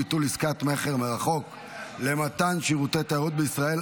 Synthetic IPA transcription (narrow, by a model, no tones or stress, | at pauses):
it̪uliskat̪me̞χeʁmeʁaχo̞k | le̞mat̪anʃiʁut̪ejt̪aaʁot̪̚beisʁae̞l